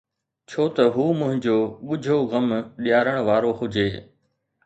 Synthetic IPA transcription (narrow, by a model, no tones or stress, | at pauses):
t͡ɕʰoːt̪ɐɦuːmʊ̃ɦɪ̃ɲd͡ʑoːɓʊd͡ʑʱoɣɐmɗijaːɾəɽ̃ʋaːɾohʊd͡ʑʱeː